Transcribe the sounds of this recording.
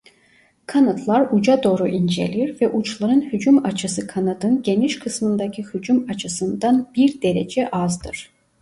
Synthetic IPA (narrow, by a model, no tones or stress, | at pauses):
kʰanat̪ʰlˠaɾud͡ʒad̪o̞ːɾuʔind͡ʒe̞̰lʲiɾvɛʔut͡ʃʰlˠaɾɯnhyd͡ʒumat͡ʃʰɯsɯkʰanad̪ɯnɟe̞niʃkʰɯsmɯnd̪acʰihyd͡ʒumat͡ʃʰɯsɯnd̪anb̥iɾd̪e̞ɾe̞̰d͡ʒɛʔazd̪ɯɾ̥